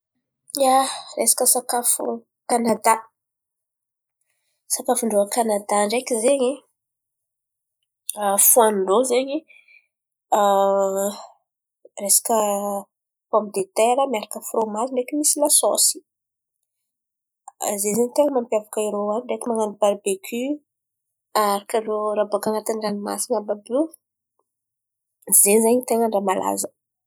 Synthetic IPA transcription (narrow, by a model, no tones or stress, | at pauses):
aresḁkəsakafṵ | kanad̪a | sakafuɳɖ͡ʐoakanad̪aɳɖ͡ʐekizeɲi | afuanɳɖ͡ʐozeɲi | resḁkə | pɔmid̪et̪eɾəmiaɾakəfrʔomaziɳɖ͡ʐekimisilasɔ̰si̥ | zezaɲit̪eŋəmampjavakaiɾowanɖ͡ʐekimaŋanibaɾibekʰy | aɾakəloɾabuakanat̪iniranima̰siɲababu | zeɲzaɲit̪eŋəɳɖ͡ʐamala̰zə̥